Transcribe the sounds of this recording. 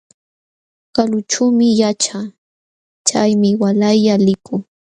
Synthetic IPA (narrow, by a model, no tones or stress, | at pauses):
kalʊt͡ʃuːmɪjat͡ʃaː | t͡ʃajmɪwalajʎalɪkʊŋ